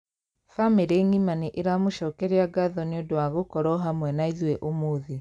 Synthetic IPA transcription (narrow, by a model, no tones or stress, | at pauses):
fameɾeŋimaneʔeɾamoʃɔkɛɾeaɡaðɔneodowaɣokɔɾɔɦamwɛnaiðwɛʔomoðe